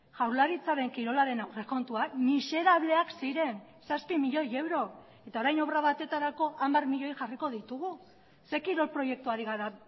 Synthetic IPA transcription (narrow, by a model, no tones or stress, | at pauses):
ʝawɾlaɾit͡saɾe̞ŋkiɾo̞laɾe̞nawre̞ko̞nt̪uamise̞ɾaβ̞le̞aksiɾe̞n | saspimiʎo̞je̞wɾo̞ | e̞t̪ao̞ɾajno̞βraβat̪e̞t̪aɾako̞ʔambarmiʎo̞jʝariko̞ðit̪uɣu | se̞kiɾo̞lpɾo̞je̞k̚t̪uaɾiɣaɾa